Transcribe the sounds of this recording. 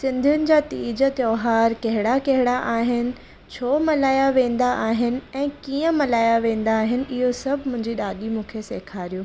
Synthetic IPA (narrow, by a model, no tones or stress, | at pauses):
sɪ̃nd̪ʱʊnɪ̆d͡ʑaːt̪iːd͡ʑət̪jɔːɦaːɾkɐɦɪɽakɐɦɪɽaʔaːɦɪnɪ̆ | t͡ɕʰoːmɐlaːjaʋẽːn̆d̪aʔaːɦɪnɪ̆ɛ̃ːkiːə̃mɐlaːjaʋẽːn̆d̪aːɦɪnɪ̆ʔɪɦosɐbʱɪmʊ̃ɦɪ̃ɲd͡ʑiɗaːɗimũːkʰeseːkʰaːɾijoː